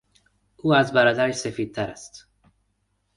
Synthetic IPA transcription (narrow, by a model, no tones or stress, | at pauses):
ʔuːæzbæɾɒːd̪æɾeʃse̞fiːd̪̥̚t̪ʰæɾæst̪